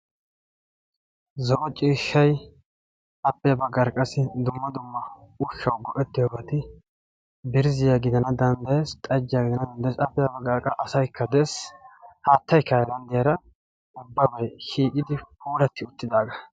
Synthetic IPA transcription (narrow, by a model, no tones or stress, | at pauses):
zɔʔɔt͡ʃʼiːʃːɐj | ʔɐpːɛjɐbɐɡɐɾkʼːɐsɪd̪ʊmːɐd̪ʊmːɐʊʃːɐwɡɔʔɛt̪ːɪjɔbɐt̪ɪ | bɪɾzɪjaɡɪd̪ɐnɐd̪ɐnd̪ɐjeːst̪ʼɐd͡ʒːɪjaːɡɪd̪ɐnɐd̪ɐnd̪ɐjsɐpːɪjɐbɐɡɐɾkʼːɐʔɐsɐjkʰːɐd̪eːshaːt̪ːɐjkːɐjɛd̪ɐnd̪ɪjɐɾɐ | ʊbːɐbɐjʃiːkʼɪd̪ɪkuːɾɐt̪ːɪʊt̪ːɪd̪aːɡɐ